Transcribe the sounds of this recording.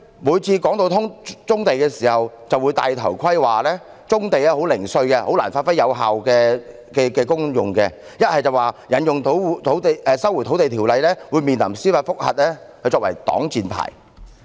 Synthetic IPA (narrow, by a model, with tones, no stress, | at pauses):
muː˨˧jt͡sʰiː˧kɔː˨˥ŋt̪o˧t̪ʰʊ˥ŋt͡sʊ˥ŋt̪e˨jkɛː˧siː˨˩hɐ˨w | t͡sɐ˨wːu˨˧jt̪a̰ː˨˧jt̪ʰɐ˨˩wkʰɐ˥jwaː˨lɛː˥ | t͡sʊ˥ŋt̪e˨jlɛː˥ɦo˨˥wlɪ˨˩ŋsɵ˧ɥkɛ˧ho̰˨˥wlaː˨˩nfaː˧t̚fɐ˥jɐ˨˧wɦaː˨wkɛː˧ | kɛː˧kɛː˧kʊ˥ŋjʊ˨ŋkɛː˧ | jɐ˥t̚hɐ˨jt͡sɐ˨waː˨jɐ˨˥njʊ˨ŋt̪ʰt̪ʰwt̪e˨jɛː˧sɐ˥wjt̪ʰwt̪e˨jt̪ʰiː˨˩wlɐ˨˧jlɛː˥wuː˨˧miː˨nlɐ˨˩msiː˥faː˧t̚fʊ˥k̚hɐ̰˨t̚lɛː˥hɵ˨˧jt͡ʃɔː˧k̚wɐ̰˨˩jt̪ɔ̰ː˨˥ŋt͡siː˨npʰa̰ː˨˩j